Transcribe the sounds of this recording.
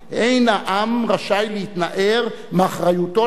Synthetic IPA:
ʔejnhaʔamʁaʃajlehit̪naʔeʁ | maχʁajut̪o

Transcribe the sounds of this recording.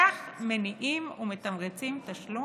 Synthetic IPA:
aχmeniʔiːmumet̪amqet͡simt̪aʃlo

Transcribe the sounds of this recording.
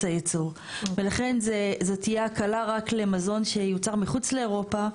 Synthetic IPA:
ajet͡suʁ | velaχe̞nzezotijeakalaʁakle̞mazo̞nʃe̞jut͡saʁmiχut͡sle̞ːʁo̞pa

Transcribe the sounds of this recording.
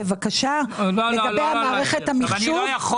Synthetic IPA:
evakaʃaleɡabejamaːʁeχethamiχʃuv

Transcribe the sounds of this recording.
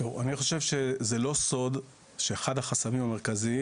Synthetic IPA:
tovaniχo̞ʃe̞vʃe̞zelo̞so̞d | ʃeχadhaχasamimame̞ʁkazi

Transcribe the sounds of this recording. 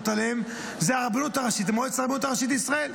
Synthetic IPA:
t̪alem | zeaʁabanut̪aʁaʃit̪emojet͡saʁbnut̪aʁaʃit̪isʁae̞l

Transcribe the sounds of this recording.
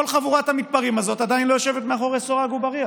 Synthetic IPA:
olχavuʁat̪hamit̪̚paʁimazo̞tad̪ainlojoʃe̞vet̪meaχo̞ʁesoʁaɡubaʁia

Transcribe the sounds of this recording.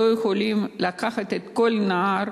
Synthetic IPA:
ojexolimlakaχat̪et̪kolnaaɾ

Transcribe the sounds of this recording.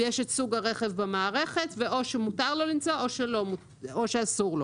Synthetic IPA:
jeʃetsuɡaʁe̞χe̞vbemaːʁe̞χe̞tveʔo̞ʃemutaʁlo̞limt͡sooʃelo̞mu | oʃeasuʁlo̞

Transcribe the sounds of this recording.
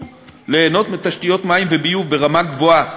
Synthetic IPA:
leːno̞t̪mit̪aʃtijo̞t̪maimvebijuvbe̞ʁamaɡvoa

